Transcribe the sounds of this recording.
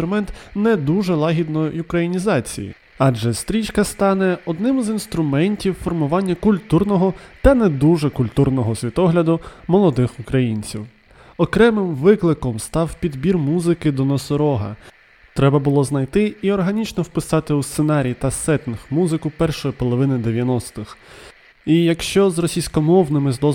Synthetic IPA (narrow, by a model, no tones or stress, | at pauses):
ɾʊmɛnt̪nɛd̪uʒɛlˠɑɦʲid̪nɔjʊkɾɐjinʲizɑt͡sʲḭjḭ | ɑʒɛst̪ɾʲit͡ʃkɐst̪ɑnɛɔd̪nɪmzinst̪ɾʊmɛnʲtʲiwfɔrmʊʋɑnʲːɐkʊlʲt̪urnɔɦɔt̪ɐnɛd̪uʒɛkʊlʲt̪urnɔɦɔsʲʋʲit̪ɔɦlʲɐd̪ʊmɔlˠɔd̪ɪxʊkɾɐjinʲt͡sʲiw | ɔkɾɛmɪmʋɪklˠɪkɔmst̪ɑwpʲid̪bʲirmuzɪkɪd̪ɔnɔsɔɾɔɦɐ̰ | t̪ɾɛbɐbʊlˠɔznɐjt̪ɪiɔrɦɐnʲit͡ʃnɔwpɪsɑt̪ɪust̪senɑɾʲiːt̪ɐsɛt̪ɪnxmuzɪkʊpɛrʃɔjipɔlˠɔʋɪnɪd̪eʋʲjɐnɔst̪ɪx | ijɐkʃt͡ʃɔzrɔsʲijsʲkɔmɔwnɪmɪzd̪ɔ